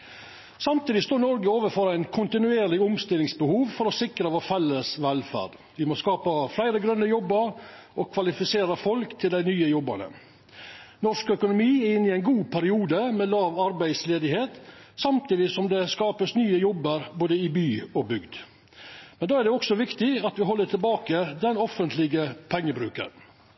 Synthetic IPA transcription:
sɑmt̪iːd̪ɪst̪oːnɔɾɡəoːʋəɾfɔɾæɪnkʰʊnt̪ɪnʉeːɾlɪʊmst̪ɪlːɪŋsbəhuːʋfɔɾɔsɪkɾəʋoːfɛlːəsʋɛlfæ̰ːɖ̥ | ʋɪmoskɑːpəflæɪɾəɡɾœnːəjɔbːəɾɔkʰʋɑlɪfɪseːɾəfɔlkt̪ʰɪld̪æɪnyːəjɔbːɑ̰nə̰ | nɔʂkœkʊnʊmiːæɾɪnːɪæɪnɡuːpʰæɾɪuːd̪əmɛlɑːʋɑɾbæɪd̪sleːd̪ɪheːt̪sɑmt̪iːd̪ɪsɔmd̪ɛskɑːpəsnyːəjɔbːəɾboːd̪əɪbyːɔbʏɡd̪ | mɛnd̪ɑːæɖ̪ɛɔksɔʋɪkt̪ɪɑt̪ʋɪɦɔlːəʈʰɪlbɑːkəd̪ɛnɔfənt̪ʰlɪɡəpʰɛŋːəbɾʉ̰ːkə̰n

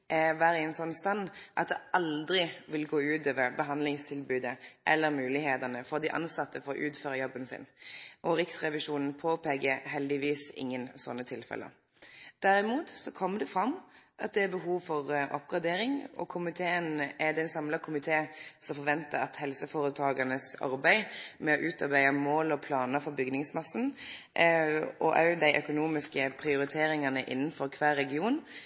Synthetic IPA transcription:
ʔɛʋæːɾəɛnsɔnːst̪ɑnʔɑt̪̚d̪ɛɑld̪ɾɪʋɪlɡoːʉːt̪øːʋəɾbəɦɑnd̪lɪŋst̪ʰɪlbʉːd̪əʔɛlːəɾmʉːlɪheːt̪ənəfɔʁd̪ɪʔɑ̰nsɑt̪ːəfɔɾɔʔʉːt̪føːɾəjɔbːənsɪ̰nʔɔɾɪksʁɛʋɪʂuːnn̩pʰoːpeːɡəɦɛld̪ɪʋiːsɪ̰ŋːənsɔ̰nːət̪ʰɪlfɛ̰lə̰ | d̪̥æɾɪmuːt̪sɔkʰɔmːəd̪ɛfɾɑmʔɑ̰t̪̚d̪ɛæɾbəɦuːʋfɔʁʔɔ̰pɡ̥ʁɑd̪eːɾɪŋɔ̰kʰʊmɪt̪ʰeːənʔæɾd̪ɛɛnsɑmlɑkʰʊmɪt̪ʰeːsɔmfɔɾʋɛnt̪əɾɑt̪hɛlsəfoːɾət̪ʰɑːɡɑnəsɑ̰ɾbæɪmɛɔʔʉːt̪ɑɾbæɪəmoːlɔpʰlɑːnəfɔɾbʏɡnɪŋsmɑsn̩ | ʔɔʔɑʉəd̪æɪʔœkʊnuːmɪskəpʰʁɪʊɾɪt̪ʰeːɾɪŋɑnəʔɪ̰nːən̩fɔɾkʰʋæːɾɛɡɪuːn

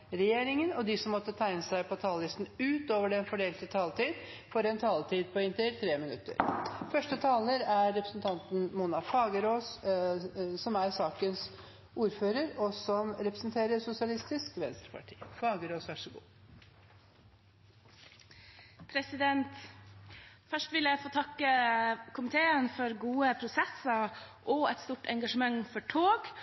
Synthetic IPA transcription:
ɾɛjeːɾɪŋənɔd̪ɪsɔmːɔt̪ːət̪ʰæɪnəsæɪpʰɔt̪ʰɑːllɪst̪n̩ʉːt̪oːʋəɖɛnfɔɖeːlt̪ət̪ʰɑːlt̪iːd̪ | fɔɾɛnt̪ʰɑːlt̪ʰiːd̪̚pʰɔɪnt̪ɪɾt̪ʰɾeːmɪnʉt̪ːə̰ɾfœʂʈət̪ʰɑːləɾæɾːɛpɾəsn̩t̪ʰɑnt̪n̩muːnɑfɑːɡəɾoːs | sɔmæɾsɑːkəns | ʔuːɾføːɾəɾɔsɔmɾɛpɾəsn̩t̪ʰeːɾəɾsʊsɪɑlɪst̪ɪskʋɛnst̪ɾəpʰɑ̰ʈʰḭːfɑːɡəɾoːsʋæʂəɡṵː | pʰɾɛsɪd̪ɛnt̪ | fœʂʈʋɪljæɪfoːt̪ʰɑkːəkʰʊmɪt̪ʰeːənfɔɾɡuːəpʰɾʊsɛsɑʔɔɛt̪st̪uːʈɛŋɡɑʂəmɑŋfɔʈʰoːɡ

